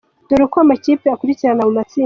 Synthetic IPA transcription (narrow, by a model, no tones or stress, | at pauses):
d̥oɾokoamacipeakuɾiciɾanalumat͡si